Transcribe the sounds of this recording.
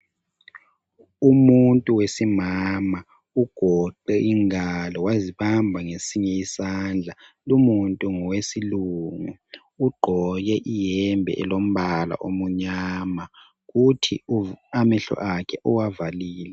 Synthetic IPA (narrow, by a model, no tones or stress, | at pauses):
umuntʼuwesimama | uɡ̥ʱɔǃɛʔiŋalɔwaziβambʱaŋesiɲɛisand͡ɮʱalumuntʼuŋɔwesiluŋu | uɡ͡ǃʱɔjɛʔijɛmbʱɛ̰ʔɛlom̩βala̰ʔomuɲaːma | ɣutʰḭamɛɬɔ̰ʔakʰɛʔɔwavaliːlɛ